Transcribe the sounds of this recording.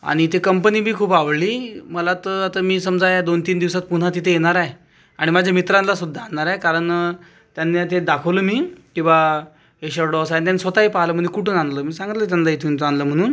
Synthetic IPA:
a̰ɽ̃it̪ekəmpəniːbʱiːkʰuːpaʋliːməlat̪əat̪əmiːsəmd͡zajad̪ont̪iːnd̪iʋsat̪̚puɽ̤at̪it̪ʰejeɽ̃aɾaj | aɽ̃imad͡ʑʱamit̪ɾãnlasud̪ʱːaːnaɾajkaɾəɳ | t̪janːat̪ed̪akʰəʋləmiːkĩw̃ʋa | eɕəɾɖɔsajnt̪jansʋət̪aɦipaɦləːməɳd͡ʑekuʈuːnanləːmiːsãŋɡt̪lət̪̬janlait̪ʰunt͡sanləm̤əɽ̃uːn

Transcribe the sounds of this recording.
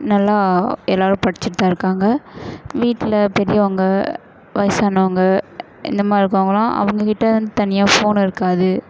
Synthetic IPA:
nɐlːaːɛlːaːɾɯpɐɽɪt͡ʃːɪt̪ːaːɪɾɯkːaːŋɡɐʋiːʈːɪlɐpɛɾɪjɐɔŋɡɐ | ʋɐjsaːnɐɐŋɡɐ | ʔɪ̰nd̪ɐmaːɪɾɯk̬ːoːŋɡɐɭãːʔɐ̰ʋɐŋɡɐkɪʈːɐɐnd̪ɯt̪ɐnɪjaːfoːnɪɾɯkːaːðɯ

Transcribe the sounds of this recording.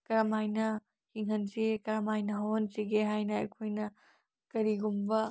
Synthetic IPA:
kɐɾɐmajnɐ | hiŋɦɐnsikɐɾɐmajnɐɦownsiɡeɦajnɐɐ̰jkʰojnɐ | kɐɾiɡumbɐ

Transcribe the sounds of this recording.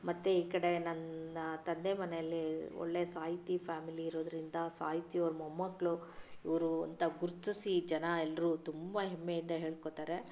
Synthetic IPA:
mɐt̪ːeiːkɐɽe̞nɐnɐt̪ɐnd̪e̞mɐnejɐlːiɔ̰ɭːe̞saːɦit̪ipʰaːmiliːɾoːd̪ɐɾind̪ɐsa̰ːɦit̪ioɾumɐmːɐɡɭuiʋɐɾuɐ̰nt̪ɐɡuɾt̪usid͡ʒɐnɐɛlːɐɾuːt̪umbɐɦemːe̞jind̪ɐɦeːɭkot̪aːɾe̞

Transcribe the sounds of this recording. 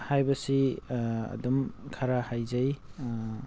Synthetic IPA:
hajbɐsi | ɐ̰dɔmkʰaɾahajzaj

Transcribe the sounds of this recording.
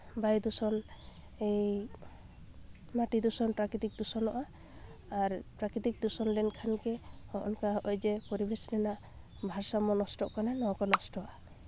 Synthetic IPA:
bajd̪usɔn | ej | maʈid̪usɔnpɾakɾit̪ik̚d̪usɔnɔʔa | aɾpɾakɾit̪ik̚d̪usɔnlɛnkʰankɛhɔʔɔnkaɔʔɔjd͡ʒɛpɔɾibeslɛnaʔ | bʱaɾsamɔnɔsʈɔʔkananɔkɔlɔsʈɔʔa

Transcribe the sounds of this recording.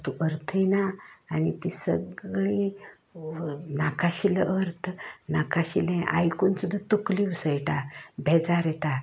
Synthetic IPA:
t̪uʔəɾt̪ʰəjnaːnit̪isəɡɭi | nakaɕiləʔəɾt̪ʰnakaɕilɛ̃ʔa̰jkunt͡sud̪ʱət̪ukliʋsəjʈabʱɛd͡zaɾɛt̪a

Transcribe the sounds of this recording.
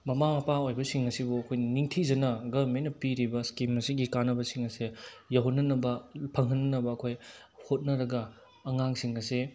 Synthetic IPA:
mɐmamɐpaojbɐsiŋɐsibuɐkʰojnɐniŋtʰid͡ʒɐnɐɡɐmenɐpiɾibɐskimɐsiɡikanːɐbɐsiŋɐsejɐwɦɐnːɐnɐbɐpʰɐŋɦɐnːɐnɐbɐːkʰoj | hot̚nɐɾɐɡɐ | ɐŋaŋsiŋɐse

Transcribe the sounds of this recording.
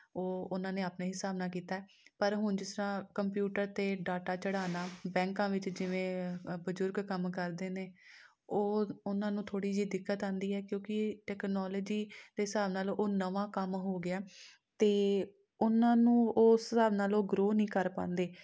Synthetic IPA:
oːʊnãːneːaːpneːɦɪsaːbnaːkiːt̪aːɛː | pəɾɦʊnd͡ʒɪsɾãːkəmpjuːʈəɾt̪eːɖaːʈaːt͡ʃəɽaːnaːbɛ̃ːŋkãːʋɪt͡ʃd͡ʒɪʋẽːbəzʊɾɡkəmkəɾd̪eːneː | oːʊnãːnũːt̪ʰoːɽiːd͡ʒiːd̪ɪkːət̪ãːnd̪iːɦɛːkjõːkɪʈɛːknɔːləːd͡ʒiːd̪̥eːɦɪsaːbnaːlʔoːnəʋãːkəmɦoːɡɪaː | t̪eː | ʊnãːnũːoːssaːbnaːloːɡɾoːnĩːkəɾpã̰ːnd̪eː

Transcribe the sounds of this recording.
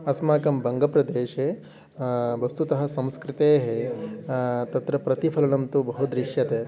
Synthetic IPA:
ɐsmaːkɐmbʱɐŋɡɐpɾɐd̪eːʃeː | bɐst̪ut̪ɐɦɐ̆sɐ̃mskɾɪt̪eːɦe | t̪ɐt̪ɾɐpɾɐt̪ipʰɐlɐnɐmt̪ubɐɦud̪ɾiʃjɐt̪eː

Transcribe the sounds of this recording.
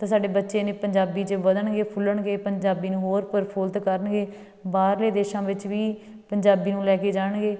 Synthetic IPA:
t̪ãːsaːɖeːbətːʃeːneːpəɲd͡ʒaːbiːt͡ʃəʋəd̪əɳɡeːpʰʊlːəɳɡeːpəɲd͡ʒaːbiːnũːɦoːɾpəɾpʰoːlt̪kəɾəɳɡeː | baːɾleːd̪eːʃãːʋɪt͡ʃʋiː | pəɲd͡ʒaːbiːnũːlɛːkeːd͡ʒaːɳɡeː

